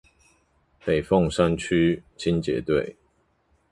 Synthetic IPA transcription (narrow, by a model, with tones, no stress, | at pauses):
pe˨˩ɪfɔ˥˨ŋsa˦nt͡ɕʰy˥˦t͡ɕʰi˦nt͡ɕjɛ̰˨˦t̪we˥˨ɪ